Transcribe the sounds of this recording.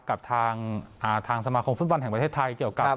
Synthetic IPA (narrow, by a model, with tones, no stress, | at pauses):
ka˨˩p̚t̪ʰaː˧ŋʔaː˨˩t̪ʰaː˧ŋsa˧maː˧kʰo˧mft̪̚wa˧nɦɛ˨˩pt̪ʰeː˥˩t̪ʰa˧jki˨˩əwka˨˩